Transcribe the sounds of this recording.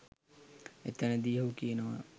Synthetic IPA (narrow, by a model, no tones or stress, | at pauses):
et̪ənəd̪ijəɦukijənoʋa̰